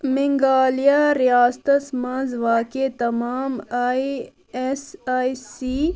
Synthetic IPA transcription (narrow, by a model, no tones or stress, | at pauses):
miŋɡaːlijaːɾijaːst̪ɐsmãːzʋaːket̪ɐmaːma | esaːisi